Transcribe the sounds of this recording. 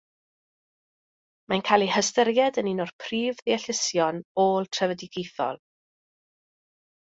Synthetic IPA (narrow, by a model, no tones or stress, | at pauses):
mankʰaːlˠihəstəɾjɛdəninɔrpʰriːvðɪɛɬɪsjɔnoːlˠtʰrəvədiɡejθɔ̰lˠ